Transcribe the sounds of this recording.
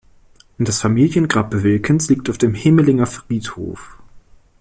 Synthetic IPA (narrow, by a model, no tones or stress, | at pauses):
ʔnd̥asfamiːljənɡʁaːp̚b̥əvɪlkʰənsliːk̚taʊfd̥eːmhɪməlɪŋɐfʁ̥iːtho̰ːf